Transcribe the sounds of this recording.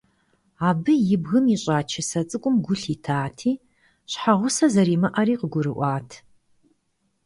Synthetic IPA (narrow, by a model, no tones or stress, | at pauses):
aːbɨjɪbɣɨmiɕʼaːt͡ʃʰɪsɐt͡sʼɨkʷʼʊmɡʷʊɬiːtʰaːtʰiː | ɕħaʁʷʊsɐzɐɾiːmɐʔɐɾiːqəɡʷʊɾɨʔʷɑːtʰ